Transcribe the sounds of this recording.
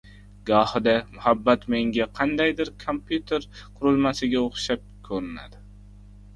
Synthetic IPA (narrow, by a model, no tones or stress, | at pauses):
ɡɒhɪd̪amʊhabːat̪me̞ŋɡʲaqʰɑnd̪ajd̪ɪɾkʰompʰjut̪ʰe̞ɾqʰʊɾʊlˠmasɪɡʲaoχʃap̚kʰɵɾɪna̰d̪ɪ